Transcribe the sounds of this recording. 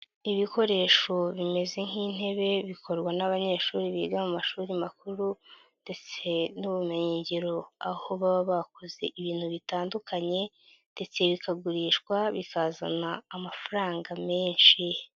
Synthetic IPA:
iβiko̞ɾe̞ːʃo̞βime̞ze̞ŋ̥hiːn̥e̞βe̞βikʰo̞ɾɡwanaβaɲe̞ːʃuːɾiβiːɡamumaʃuːɾimakuɾu | nd̥e̞t͡se̞nuβumeɲeːɲɟeɾo̞aho̞βaβaβakoze̞̰ʔiβiːn̥huβitaːndukʰaɲe̞ | nde̞t͡se̞βikaɡuɾiːʃkwaβikaza̰naːmafaɾaːŋɡame̞ːɲʃi

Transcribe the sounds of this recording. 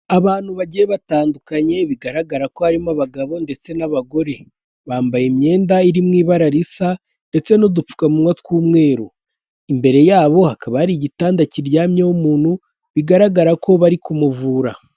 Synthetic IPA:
aβaːn̥huβaɟijeβataːndukaɲe̞βiɡaɾaɡaɾako̞haɾimaβaɡaβo̞nde̞t͡se̞naβaɡo̞ɾe̞ | βaːmbajimɲe̞ːndaiɾimŋiːβaɾaɾisa | nde̞t͡se̞no̞dup͡fu̥kamunwatkuːmŋe̞ːɾo̰ | imbe̞ɾe̞jaːβo̞hakʰaβahaɾiɟitaːndaciɾɟaːmɲawumuːn̥hu | βiɡaɾaɡaɾakʰo̞βaɾikumuvuːɾa

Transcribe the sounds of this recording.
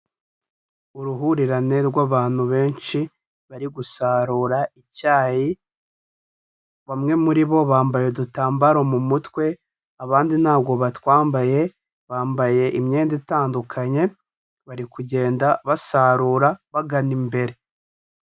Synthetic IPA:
uɾuɦuɾiɾaneɾɡwaβaːn̥huβe̞ːnt͡ʃi | βaɾiɡusaɾuːɾaicaːji | βamŋe̞muɾiβo̞βaːmbajedutaːmbaɾo̞mumutwe̞ | aβaːndin̥haːb̚ɡo̞βatwaːmbaje̞ | βaːmbaje̞ʔimɲeːnditaːndukʰaɲe̞ | βaɾikuɟe̞ːndaβasaːɾuɾaβaɡanimbe̞ɾe̞

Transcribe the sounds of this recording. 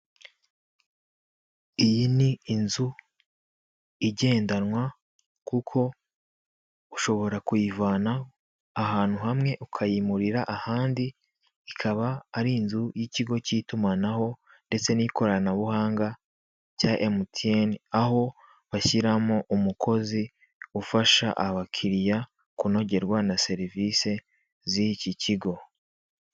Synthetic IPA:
ijiniːnzu | iɟe̞ːndanŋwa | kukʰo̞ | uʃo̞βo̞ɾakujivaːnaː | ɦaːn̥huɦamŋe̞ʔukʰajimuɾiɾaʔahaːndiː | kʰaβaːɾiːnzujiciɡo̞citumanaɦo̞ | nde̞t͡se̞niko̞ɾanaβuhaːŋɡa | caʔemutienaɦo̞ | βaçiɾamoʔumukʰo̞zi | ufaʃa̰ʔaβakʰiɾija | kuno̞ɟe̞ɾɡwanase̞ɾivise̞ | ziciciɡo̞

